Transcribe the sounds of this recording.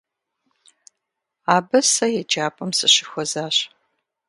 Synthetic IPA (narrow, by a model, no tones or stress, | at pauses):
aːbɐsɐjɛd͡ʒaːpʰʼɐmsɨɕɪxʷɔzaːɕ